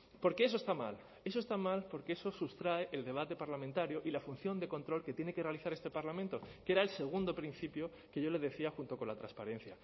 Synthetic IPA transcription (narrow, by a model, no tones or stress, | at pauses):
po̞ɾke̞es̬ost̪ama̰l | e̞s̬o̞est̪amalpo̞ɾkeeso̞sust̪ɾae̞ʔeld̪e̞β̞at̪e̞paɾlamẽnt̪aɾjoʔilafun̟θjo̞nd̪e̞ko̞nt̪ɾo̞lke̞t̪je̞ne̞ke̞re̞aliθaɾe̞st̪e̞paɾlamẽnt̪oke̞ɾae̞lse̞ɣ̞und̪o̞pɾin̟θipjo̞ | ke̞ʝo̞le̞ðe̞θiaxunt̪o̞ko̞nlat̪ɾa̰spaɾẽ̞n̟θja